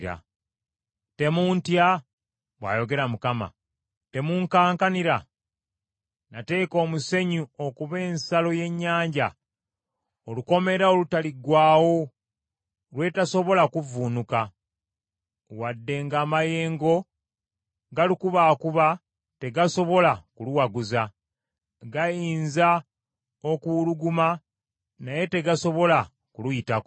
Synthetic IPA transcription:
ɾa̰ | te̞muːntja | βwa̰ːjo̞ɡe̞ɾamukama̰ | te̞muŋkaːŋkaniɾa | nate̞ːko̞ːmuse̞ɲuo̞kuβe̞ːnsalo̞je̞ɲːaːɲɟa̰ | oluko̞me̞ɾaolutaliɡwaːwo̞ | lwe̞taso̞βo̞lakuvuːnuka | wadːe̞ŋɡaːmaje̞ːŋɡo̞ | ɡalukuβaːkuβa | te̞ɡaso̞βo̞lakuluwaɡuza | ɡajiːnza | okuluɡuma | naje̞te̞ɡaso̞βo̞la | kulujitak

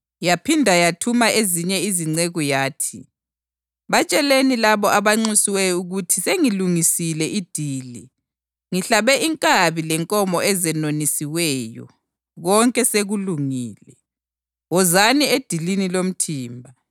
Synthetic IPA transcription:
japʰindʱajatʰumaʔeziɲɛiziŋ͡ǀeɣujaːtʰi | βat͡ʃʼɛlenilaβɔʔaβaŋ͡ǀusiwɛjuɣutʰiseŋiluŋisilɛʔid̥ʱiːli | ŋiɬaβɛʔiŋkʼaβilɛŋkʼɔmɔɛzɛnonisiwɛjɔ̰ | ɣɔŋkʼɛseɣuluŋiːlɛ | wɔzanied̥ʱilinilom̩tʰiːmbʱa

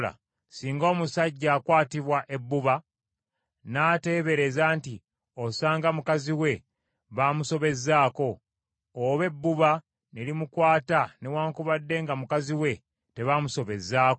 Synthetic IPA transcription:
a̰ | siːŋɡo̞ːmusaɟːaːkwaːtiβwaʔe̞bːuβa | naːte̞ːβe̞ɾe̞zaːnti | osaːŋɡamukaziwe̞ | βamuso̞βe̞zːaːko̞ː | βe̞bːuβa | nelimukwaːtanewaːŋkuβadːe̞ŋɡamukaziwe̞ | te̞βaːmuso̞βe̞zːaːk

